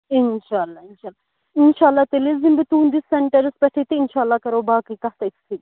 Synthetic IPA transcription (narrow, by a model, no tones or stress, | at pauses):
ɪnʃaːlːainʃaːla | inʃaːlːaːt̪elizimbit̪und̪isɐɳʈɐɾɨspɐʈʰit̪iɪnʃaːlːakɐɾobaːkikɐɦt̪ɐiksi